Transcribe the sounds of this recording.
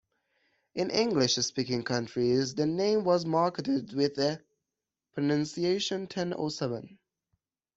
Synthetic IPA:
ʔɪ̃nʔɪ̃ŋɡlɪʃspikɪ̃ŋkʰʌ̃nt͡ʃɹ̥izðɨnẽɪ̃mwʌzmɑɹkətɪdwɪðə | pʰɹ̥ɨnʌ̃nsieɪʃə̃ntʰɛ̃no̰sɛvə̃n

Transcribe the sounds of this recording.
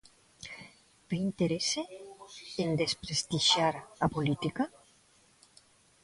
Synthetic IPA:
v̥eint̪eɾese | end̪espɾest̪iʃjaɾapolit̪ika

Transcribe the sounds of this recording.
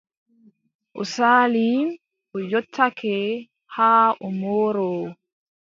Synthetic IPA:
ʔɔ̰saːlim | ʔɔjɔtʰːakʰɛ | haːʔɔmoːɾɔ

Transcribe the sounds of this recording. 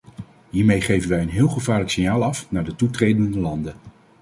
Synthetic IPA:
ɦiːɹmejχejvənʋɛjənɦɪːlˠχəvaːɹləksɪnjaːlˠɑfnaːɹdətutrejdənndəlɑndə

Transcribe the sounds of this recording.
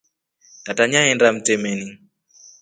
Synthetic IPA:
tataɲaɛndam̩t͡sɛmɛni

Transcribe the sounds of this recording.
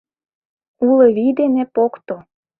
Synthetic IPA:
uleβid̪enepokt̪o

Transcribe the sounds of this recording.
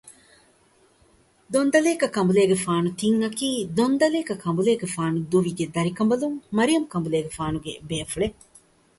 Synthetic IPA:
d̪ond̪ɐleːkɐkɐmbuleːɡefaːnut̪iŋɐkiːd̪ond̪ɐleːkɐkʰɐmbuleːɡefaːnud̪uʋiɡed̪ɐɾikɐmbɐluŋmɐɾijɐmukɐmbuleːɡefaːnuɡebeːfuɭe

